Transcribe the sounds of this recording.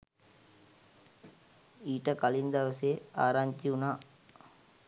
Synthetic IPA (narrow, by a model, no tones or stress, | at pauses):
iːʈəkalind̪aʋəseaːɾaɲt̪iunaː